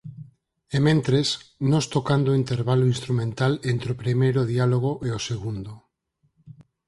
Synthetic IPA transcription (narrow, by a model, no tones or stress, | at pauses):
emẽnt̪ɾesnõst̪okand̪oint̪eɾβaloinst̪ɾumẽnt̪alent̪ɾeopɾimejɾoð̞ialoɣ̞oʔeoseɣund̪o